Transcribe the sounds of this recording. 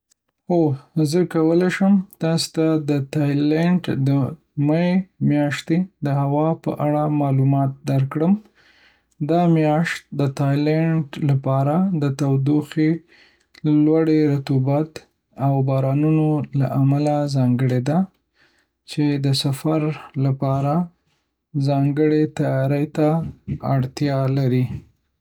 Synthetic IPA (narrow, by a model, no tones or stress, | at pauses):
ozəkawəlaʃəmt̪ɑst̪ad̪ət̪ɑjleɳʈd̪ə | maemjɑʃt̪ed̪əhawɑpə̰ʔaɽamɑlumɑt̪̚d̪aɾkɽəm | d̪ɑmjɑʃt̪̚d̪ət̪ɑjlaɳʈlapɑɾad̪ət̪awd̪uxe | lwaɽeɾat̪ubat̪ | awbɑɾɑnunola̰ʔamalazɑŋɡəɽed̪a | t͡ʃed̪əsafaɾlapɑɾa | zɑŋɡəɽet̪ajɑɾəjt̪aaɽt̪jɑlaɾi